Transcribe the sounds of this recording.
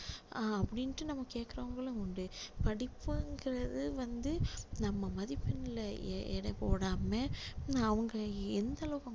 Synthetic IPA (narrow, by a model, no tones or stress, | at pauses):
aɐpːɐɽɪnʈːɯnɐmːɐkeːkːɪɾɐʋɐŋɡɐɭɯ̃ɔɳɖɯpɐɽɪpːɯŋɡɪɾɐðɯʋɐnd̪ɯnɐmːɐmɐðɪpːɪnɪlɐɛ̰ɽɐpoːɽaːmeːaɐʋɐŋɡɐɛnd̪ɐlɐʋkɐŋ